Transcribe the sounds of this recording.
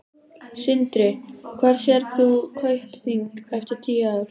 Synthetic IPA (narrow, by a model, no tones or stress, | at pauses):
sɪnt̪ɾɪkʰvaɾ̥sjɛɾθukʰœɥhpθiŋkɛft̪ɪɾ̥t̪ʰiːaðʏɾ̥